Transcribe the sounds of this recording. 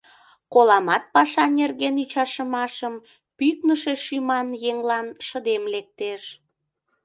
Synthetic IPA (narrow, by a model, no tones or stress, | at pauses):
kolɑmɑt̪̚pɑʃɑnerɣenyt͡ɕɑʃəmɑʃəm | pyknəʃeʃymɑnjeŋlɑnʃəd̪emlek̚t̪eʃ